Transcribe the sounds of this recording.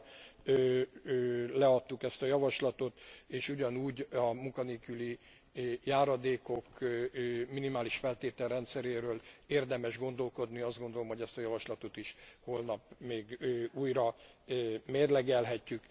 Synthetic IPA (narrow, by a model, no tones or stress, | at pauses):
øːølɛɒt̪ːukɛst̪ɒjɒvɒʃlɒt̪o̞t̪eːʃuɟɒnuːɟɒmuŋkɒneːkyli | jaːɾɒd̪eːko̞kː | minimaːliʃfɛlt̪eːt̪ɛlrɛnt̪sɛɾeːɾøːleːrd̪ɛmɛʒɡo̞n̪d̪o̞lko̞d̪niɒzd̪ɡo̞nd̪o̞lomhoɛst̪ɒjɒvɒʃlɒt̪o̞t̪iʃho̞lnɒpmeːɡøuːjɾɒ | meːrlɛɡɛlɦɛcːyk